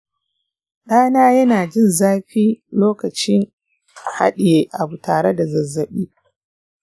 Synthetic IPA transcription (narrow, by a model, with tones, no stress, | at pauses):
ɗaː˦naː˦jɐ˦naː˨d͡ʒɪ˦˨nzaː˦ɸiː˦loː˦kɐ˨t͡ʃɪ˦ŋ | ha̰˦ɗɪ˨jeː˦ʔa˨bu˨taː˨ɽe˦da˨zɐ˨zːɐ˨ɓiː˦